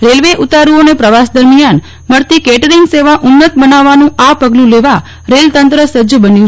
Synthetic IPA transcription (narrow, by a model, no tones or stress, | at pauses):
ɾelʋeʔut̪aɾuonepɾəʋasd̪əɾmijan | məɾt̪ikeʈəɾiŋɡseʋaʔunːət̪bənaʋːanũʔapəɡlũleʋa | ɾelt̪ənt̪ɾəsəd͡ʒəbənjũ